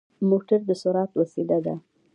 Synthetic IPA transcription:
moʈaɾd̪əsʊɾɑt̪wəsed̪ad̪a

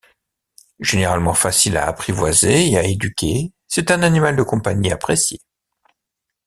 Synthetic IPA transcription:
ʒ̥eneʁalmɑ̃fasila̰ːpχivwazeeaed̪ykʲe | sɛt̪ɛ̃nanimald̪əkɔ̃paɲiapχesje

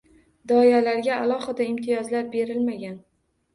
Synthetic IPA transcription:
d̪ɒjalaɾɡʲaːlˠɒhɨd̪aɪmt̪ʰɪjɒzlaɾbe̞ɾɪlmaɡʲan

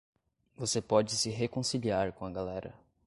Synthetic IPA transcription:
vosepɔd͡ʒɪsɪɦekõsiliaɾkõɐɡalɛɾɐ̰

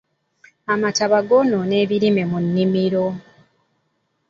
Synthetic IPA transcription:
amataβaɡonone̞ːβiɾime̞munːimiɾo

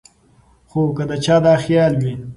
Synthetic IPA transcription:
xokəd̪ət͡ʃɑːd̪ɑːxjɑːlwi

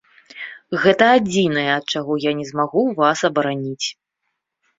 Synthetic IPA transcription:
ɣɛt̪ɐːd͡zʲinɐjɛɐt̪̚t͡ʂaɣɔjanʲɛzmaɣuvasɐbɐɾanʲit͡sʲ

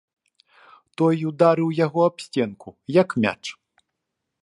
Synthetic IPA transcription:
t̪ɔjud̪aɾɨwjaɣɔapsʲt͡sʲɛnkujɐkmʲa̰t͡ʂ

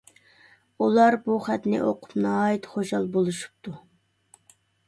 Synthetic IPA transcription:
ulˠɑɾbuχæt̪nɪ̰ʔoqʰʊ̥pnɨɑːjit̪χoʃɑlˠbolˠuʃu̥p̚t̪ʰu

